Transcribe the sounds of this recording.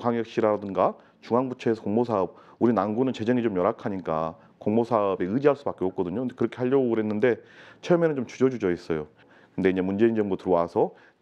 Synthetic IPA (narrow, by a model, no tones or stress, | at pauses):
kaŋjʌk̚ɕ͈iɾadɯnɡa | t͡ɕuŋɦaŋbut͡ɕʰeesʰʌkoŋmosʰaɯb̚ | uɾinanɡunɯnt͡ɕe̞d͡ʑeŋit͡ɕomjʌɾakʰaɲik͈a | koŋmosʰaʌbeɯd͡ʑiɦaɭs͈ubak͈eʌp̚k͈ʌdɯɲondekɯɾʌkʰe̞aʎːʌboɡɯɾɦe̞nːɯnde̞t͡ɕʰeʌmjenɯnt͡ɕomt͡ɕud͡ʑʌd͡ʑud͡ʑʌis͈ʌjo | kɯnde̞iɲd͡ʑe̞mund͡ʑe̞ind͡ʑʌŋbutɯɾʌwasʰʌ